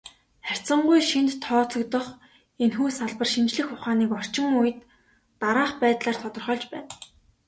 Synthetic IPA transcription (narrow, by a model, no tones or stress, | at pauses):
χær̥ʲt͡sə̆ɴɢujʃint̪ʰːɔːt͡sɞ̆kt̪ɞ̆χ | enxuːsaɮpə̆rʃint͡ɕɮɘ̆xʊχaːniːkɔr̥t͡ɕɪ̆ŋujɘ̆t̪ː | aɾaːχpæːt̪ɮaːrt̪ʰɔt̪ɞ̆rχœːɮt͡ɕpæ̰ːn